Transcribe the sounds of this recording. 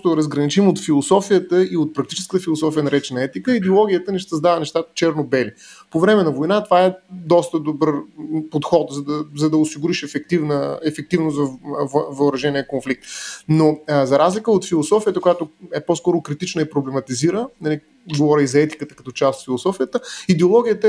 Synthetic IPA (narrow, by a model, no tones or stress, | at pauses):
t̪ʊɾɐzɡɾɐnit͡ʃimot̪filˠosɔfijət̪əiot̪̚pɾɐk̚t̪i̥t͡ʃɛskə̥t̪əfilˠosɔfijənɐɾɛt͡ʃɛnɐɛt̪ikəid̪ɛolˠɔɡ̟ʲijət̪əniʃsəzd̪avɐnɛʃt̪at̪ə̥t͡ʃɛɾnobɛli | povɾɛmɛnɐvojnat̪ovaɛd̪ɔst̪əd̪obərpot̪xɔt̪zɐd̪əzɐd̪ɐʊsiɡʊɾiʃɛfɛk̚t̪ivnəɛfɛk̚t̪ivnosvɐvvəʊɾɐʒɛniəkonflik̚t̪nozɐɾazlʲikəot̪filˠosɔfijət̪əkʊjat̪oɛpɔskɔɾʊkɾit̪it͡ʃnəipɾoblɛmɐt̪iziɾənɐli | ɡovɔɾʲəizɐɛt̪i̥kət̪ə̥kɐt̪ɔt͡ʃast̪ot̪filˠosɔfijət̪əid̪ɛolˠɔɡ̟ʲijət̪ə